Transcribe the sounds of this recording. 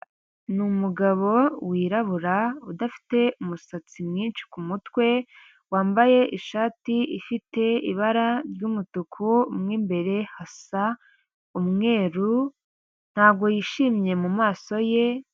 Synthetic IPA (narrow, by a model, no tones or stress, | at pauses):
numuɡaβo̞wiːɾaβuɾaudafi̥te̞umusat͡simŋiːnʃi̥kumutwe̞ | waːmbaje̞ʔiʃaːtiʔifite̞ḭβaɾaɾjɟuːmutukʰumŋiːmbe̞ɾe̞hasa | umŋe̞ːɾu | n̥haːbɡo̞jiʃiːmɲe̞mumaːso̞je̞